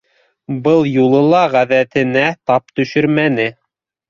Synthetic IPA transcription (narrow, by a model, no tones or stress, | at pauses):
bɤlˠjulˠɤ̆lˠɑʁæðæt̪ɘ̆næt̪ɑp̚t̪ɵ̆ʃɵɾmænɘ